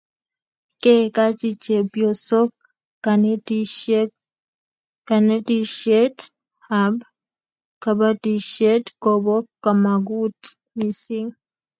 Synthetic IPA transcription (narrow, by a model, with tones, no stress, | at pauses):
kɛ˦ka˦t͡ʃi˦t͡ʃɛ˨bjɔ˨sɔ˦k | an | ka˨ne˦ti˨ʃɛ˦t | hab | ka˨ba˦ti˨ʃɛ˦tkɔbɔ˦kːa˨ma˨ɡu˦t | mi˨si˦ŋ